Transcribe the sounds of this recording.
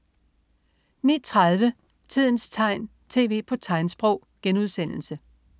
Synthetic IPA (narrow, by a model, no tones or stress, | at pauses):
nḭːt͡sʰʁað̞ˠʋə | t͡sʰið̞̰ˠn̩st͡sʰɑ̈ɪ̰n | t͡sʰe̝̰ːʋe̝̰ːpʰɒ̽t͡sʰɑ̈ɪnsb̥ʁɔʊ̰ɡ̥enuð̞ˠsen̰l̩sə